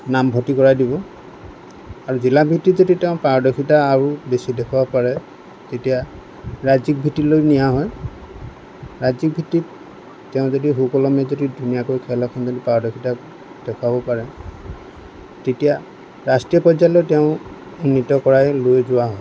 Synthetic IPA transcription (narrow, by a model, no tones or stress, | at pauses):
nambʱɔtikɔɹajdibɔ | aɹuzilabʱitizoditɛʊ̃paɹɔdɔkʰitaːɹubesidɛkʰɔbapaɹɛ | tetija | ɹazik̚bʱitilojnijaɦɔj | ɹazik̚bʱitit | tɛʊ̃zodiɦukɔlɔmɛzodidʱunijakojkʰɛlakʰɔnzodipaɹdɔkʰita | d̥ɛkʰabɔpaɹɛ | tetija | ɹastɹijɔpɔzalɔjtɛʊ̃ | unːitɔkɔɹajlojzʊaɦɔj